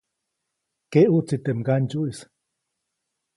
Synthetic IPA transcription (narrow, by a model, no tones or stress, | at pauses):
keʔut͡sit̪emɡand͡ʒuis